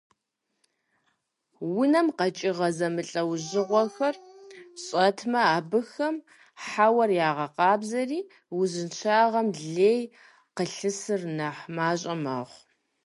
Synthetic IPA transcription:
wʊnɐmqɐt͡ʃʼɪʁɐzɐmɨɬʼɐwʑɪʁʷɔxɐrɕʼɐtʰmɐaːbɨxɐm | ħawɐrjaːʁɐqɑːbzɐriː | wzɨnt͡ʃʰaːʁɐmɮeːj | qəɬɨsɨrnɐħmaːɕʼɐmɐ̰ʁʷ

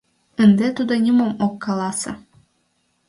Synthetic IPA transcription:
ənd̪et̪ud̪ŏnʲimomokːɑlˠɑsɤ̰̆

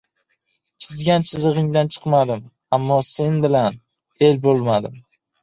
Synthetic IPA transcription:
t͡ʃʰɪzɡʲant͡ʃʰɪzɨʁɪŋd̪ant͡ʃʰɨ̥qmad̪ɪm | amːɒse̞nbɪlan | e̞lbolˠmad̪ɪm

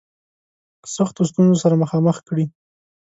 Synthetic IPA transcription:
saxt̪ost̪unzosaɾaməxɑməxkɽi

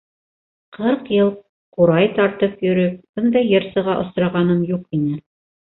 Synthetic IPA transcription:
qʰɤɾqjɤlˠ | quɾɑjt̪ɑɾt̪ɤpjɵ̆ɾɵp̚b̥ɤ̆nd̪ɑjːɤɾsɤ̆ʁɑʔŏsɾɑʁɑnɤmjuqinɘ

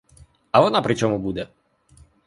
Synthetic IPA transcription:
ɐʋɔnapɾɪt͡ʃɔmʊbud̪ɛ

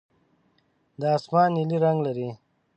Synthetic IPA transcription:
d̪əaːsmɑːniliɾaŋɡlaɾi

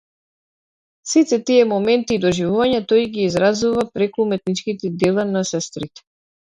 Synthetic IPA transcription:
sit̪ɛt̪iɛmɔmɛnt̪iːd̪ɔʒivuvaɲat̪ɔjɡiːzɾazuvapɾɛkuːmɛt̪̚nit͡ʃkit̪ɛd̪ɛlˠanasɛst̪ɾit̪ɛ̥

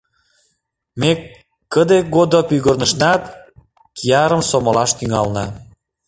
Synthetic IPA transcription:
me | kːəd̪eɡod̪opyɣərnəʃnɑt̪ | kijɑɾəmsoməlɑʃt̪yŋɑlnɑ

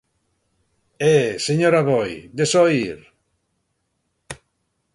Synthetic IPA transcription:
eseɲoɾaβojd̪esɔiɾ

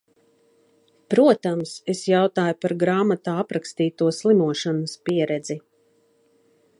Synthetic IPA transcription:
pɾuɔt̪amsesjawt̪aːjupaɾɡɾaːmat̪aːapɾakst̪iːt̪uɔslˠimuɔʃanəspiɛɾɛd̪zi

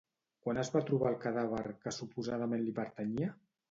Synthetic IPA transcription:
kwanəzβat̪ɾuβalˠkəðaβ̞əɾkəsupuzað̞əmenlipəɾt̪əɲiə

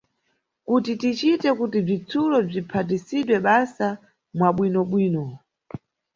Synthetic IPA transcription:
kutitit͡ʃitɛkutib͡ʐit͡sʰulɔb͡ʐipʰat̬isiɗwɛɓasa | mwaɓwinɔɓwiːnɔ

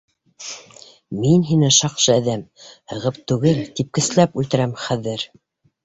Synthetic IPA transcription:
minɦinɘʃɑqʃɤæðæmhɤ̆ʁɤp̚t̪ʉɡɘlt̪ip̚kɘ̆s̆læpʉlt̪ɘ̆ɾæmχæðɘɾ

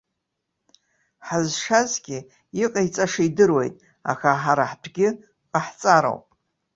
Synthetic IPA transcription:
ħazʂazɡʲɪ | iqʼait͡sʼaʂijdɨrwe̞jtʼ | a̰xaħaɾaħdʰɡʲɪ | aħt͡sʼaɾo̰wpʼ

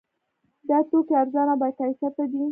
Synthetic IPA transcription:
d̪ɑt̪okeaɾzɑnabɑjkasat̪ad̪i

